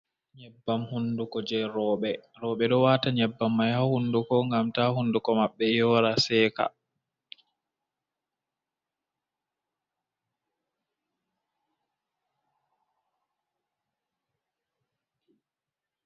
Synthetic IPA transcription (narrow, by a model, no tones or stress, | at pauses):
ɲɛbːamhundukɔd͡ʒɛɾɔːɓɛ | ɾɔːɓɛɗɔwaːtaɲɛbːamːajhahundukɔŋɡamtahundukɔmaɓːɛjɔːɾasɛːka̰